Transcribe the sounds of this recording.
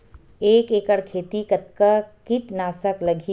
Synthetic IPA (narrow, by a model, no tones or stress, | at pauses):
eːkeːkəɽkʰeːt̪ikɐt̪̚kakiʈnaːsəklɐɡʱi